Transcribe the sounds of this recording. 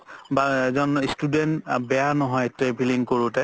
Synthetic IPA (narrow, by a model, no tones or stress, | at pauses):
baɛzɔnstudɛntbɛjanɔɦɔjtɛbʰʱiliŋkoɹutɛ